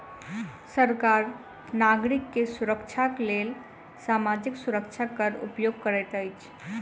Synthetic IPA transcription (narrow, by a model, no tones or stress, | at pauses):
səɾkaɾ | naɡɾikːesuɾəkt͡ʃʰaklel | samad͡ʒiksuɾək̚t͡ʃʰakəɾṵpjoɡ̚kəɾɛt̪əjt͡ʃʰ